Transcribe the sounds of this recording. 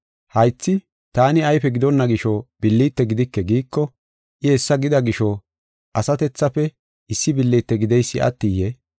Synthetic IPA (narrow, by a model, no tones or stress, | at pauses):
hɐjt͡sːɪ | t̪aːnɪɐjpɛɡɪd̪ɔnːɐɡɪʃɔb̥ɪlːiːt̪ːɛɡɪd̪ɪkːɛɡiːkːɔ | ʔɪɛsːɐɡɪd̪ɐɡɪʃɔ | ʔɐsɐt̪ɛt͡sːɐpɛ | ʔɪsːɪbɪlːiːt̪ːɛɡɪd̪ɛjsːɪʔɐ̰t̪ːijɛ